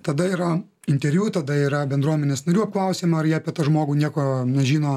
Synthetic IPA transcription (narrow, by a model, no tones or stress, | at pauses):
t̪ɐd̪ɐiːɾɐ | ɪnʲt̪ʲɛɾʲʋʲjʲuːt̪ɐd̪ɐiːɾɐbʲɛnd̪ɾuɔmʲɛnʲeːsnɐɾʲuːɐp̚klˠɐʊsʲeːmɐɐɾjiɛɐpʲiɛt̪ɐʒmoːɡuːnʲiɛkoːnʲɛʒʲiːnoː